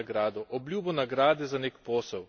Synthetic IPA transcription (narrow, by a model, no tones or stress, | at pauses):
ɡɾaːd̪ɔʔɔblʲjuːbɔnaɡɾaːd̪ɛzaneːkpoːsɛw